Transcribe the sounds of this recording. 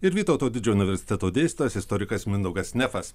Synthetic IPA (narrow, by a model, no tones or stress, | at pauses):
ɪɾʋʲiːt̪oːt̪oːd̪ʲɪd͡ʒʲɛːʊnʲɪʋʲɛɾʲsʲɪ̥t̪ʲɛt̪oːd̪ʲeːsʲt̪ːɐsɪst̪ɔɾʲɪkɐsmʲɪnd̪ɐʊɡɐsnʲɛfɐs